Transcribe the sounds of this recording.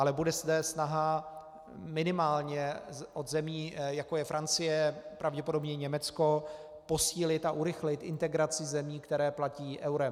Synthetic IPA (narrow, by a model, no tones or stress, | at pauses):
ʔalɛbudɛzd̪ɛsnaɦa | mɪnɪmaːlɲɛʔo̞d̪zɛmiːjakojɛfɾant͡sɪjɛpɾʔavɟɛpodo̞bɲɛɲɛmɛt͡sko̞ | po̞siːlɪt̪aʔuɾɪxlɪt̪ʔɪnt̪ɛɡɾat͡sɪzɛmiːkt̪ɛɾɛːplaciːʔɛwɾɛm